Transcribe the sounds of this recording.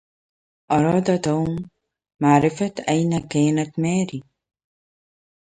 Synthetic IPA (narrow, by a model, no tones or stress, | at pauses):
ʔɑɾˤɑːd̪at̪amː | aʕɾɪfat̪ʔajnakaːnat̪maːɾi